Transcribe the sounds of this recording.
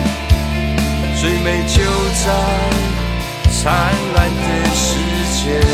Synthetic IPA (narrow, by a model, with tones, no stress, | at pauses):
t͡swe˥˩ɪme˨˩ɪt͡ɕjo˦ʊt͡sa˦˧ɪ | t͡sʰa˦nla˧˦nd̪ə˧ʂɻ̩˥t͡ɕjɛ˧˦